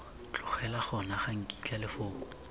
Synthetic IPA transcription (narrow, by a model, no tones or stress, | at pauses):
t͡ɬʼʊχɛlaχɔnaχaŋ̩kʼi̥t͡ɬʼalɪfʊːkʼu̥